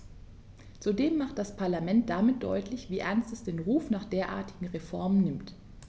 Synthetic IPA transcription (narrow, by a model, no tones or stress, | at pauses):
t͡sudeːmːaχt̚d̥aspʰaɐlamɛnt̚d̥amɪt̚d̥ɔ̰ʏtlɪçv̥iːʔɛɐnstɛsd̥eːnʁuːfnaːχd̥eːɐʔa̰ːɐtɪɡŋ̩ʁefɔɐmənːɪmt